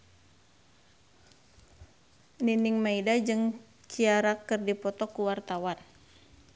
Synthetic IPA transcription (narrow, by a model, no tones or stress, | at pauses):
niniŋmaidad͡ʒɨŋ | t͡ʃiaɾakɨrdipɔt̪ɔkuwart̪awan